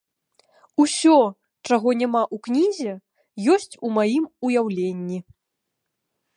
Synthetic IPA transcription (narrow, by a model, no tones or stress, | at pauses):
usʲɔ | t͡ʂaɣɔnʲamaʔuknʲizʲɛ | jɔsʲt͡sʲumajimujawlʲenʲːi